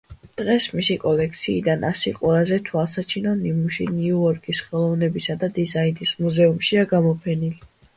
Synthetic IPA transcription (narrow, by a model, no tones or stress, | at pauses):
d̪̥ʁɛsmisikʼɔlɛkʰt̪sʰiːd̪anʔasiqʼwɛlˠazɛt̪ʰuasat͡ʃʰinɔnimuʃiniuɔɾkʰʼisχɛlˠɔvnɛbisad̪ad̪izainismuzɛumʃiaɡamɔpʰɛnili